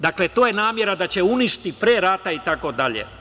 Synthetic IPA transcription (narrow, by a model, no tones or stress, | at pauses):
d̪akle̞t̪o̞ːjenaːmje̞ɾad̪at͡ɕe̞uniʃt̪ipɾeːɾaːt̪ait̪ako̞d̪aʎḛ